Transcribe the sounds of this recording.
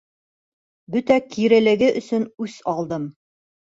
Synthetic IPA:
bɵt̪ækiɾɘ̆lɘ̆ɡɘʔɵ̆sɵnʉsɒlˠd̪ɤm

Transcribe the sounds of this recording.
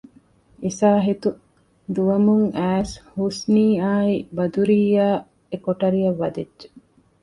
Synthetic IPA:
isaːɦit̪u | d̪uʋɐmuŋʔæːshusniːaːibɐd̪uɾiːaː | ekoʈɐɾijɐʋːɐd̪edʒe

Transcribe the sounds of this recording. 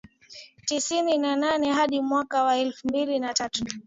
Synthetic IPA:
tisininananɛɦaɗimwakawaɛlfumbilinatatu

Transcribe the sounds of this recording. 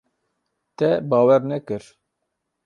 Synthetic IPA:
t̪ɛbɑːwɛɾnɛkɨɾ

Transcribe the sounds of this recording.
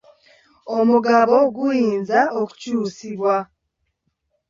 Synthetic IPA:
omuɡaβoɡujiːnzaoku̥cuːsiβwa

